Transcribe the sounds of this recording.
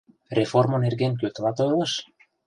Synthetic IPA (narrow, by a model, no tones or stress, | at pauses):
reformɤ̆nerɣenk̬øt̪lɑt̪ɤlˠɤ̆ʃ